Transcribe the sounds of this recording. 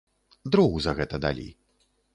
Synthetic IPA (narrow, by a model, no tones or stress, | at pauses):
d̪ɾuɣuzɐɣɛt̪ɐd̪a̰lʲḭ